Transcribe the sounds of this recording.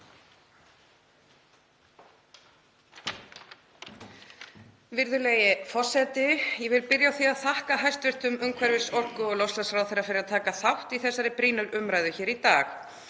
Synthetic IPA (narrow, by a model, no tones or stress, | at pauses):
vɪɾðʏleːjɪfɔ̥sɛt̪ɪjɛvɪlpɪɾjawθiaðθahkaɦajst̪vɪr̥t̪ʏmʏmkʰvɛɾvɪsɔr̥kʏɔlɔwslasfɾawθejɾːafɪɾɪɾat̪ʰaːkaθawht̪iθɛsːaɾɪpɾiːnʏɾʏmɾajðʏçɛːɾit̪aːx